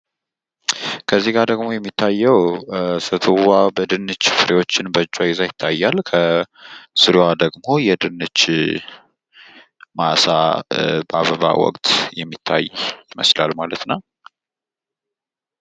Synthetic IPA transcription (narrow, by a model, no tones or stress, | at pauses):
kʰəzːiɡad̪əɡmo̞jɛmːit̪ʰːajːɛwsɨt̪ʰɨwabəd̪ɨnːɨt͡ʃːfɨɾewo̞t͡ʃːɪnbət͡ʃʼːajɪzajɪt̪ʰːajːalkʰə | sɨɾwad̪əɡmo̞jɛd̪ɨnːɨt͡ʃː | masabaβəβa̰wɔ̰kʼt̪ʰjɛmːit̪ʰːa̰jɪməslalmalət̪naw